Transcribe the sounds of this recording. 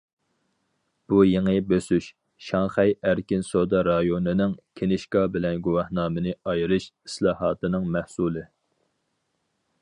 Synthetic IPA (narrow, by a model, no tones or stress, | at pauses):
b̥ujeŋɨbøsyʃ | ʃɑŋχɛjæɾkʲinsod̪ɑɾɑjonɨnɪŋkʲʰenɪʃkɑbɪlɛnɡuwɑhnɑːmɨnɨɑjɾɨʃi̥slˠɑːɦɑːt̪ɨnɨŋmæhsulˠɨ